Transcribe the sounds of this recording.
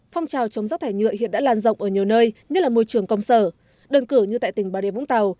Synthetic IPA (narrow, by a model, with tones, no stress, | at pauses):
fɔ˧wŋ͡mt͡ɕaː˨˩wt͡ɕə˨˦wŋ͡mza˦˥t̚t̪ʰaː˧˩jŋɨ̰˧˨əhḭ˧˨nɗa̰ː˧˥laː˧˩nzə̰˧˨wŋ͡mʔəː˧˩ɲi˨˩əwnəː˧jɲə˦˥t̚laː˨˩mo˧jt͡ɕɨ˨˧˩əŋkə˧wŋ͡msəː˧˩ | ɗəː˧nkɨ˧˩ɲɨ˧a̰ː˧˨jt̪ï˧˩ŋ̟ɓaː˨˦ɗe˧˩v̰ŋ͡mt̪a˨˩w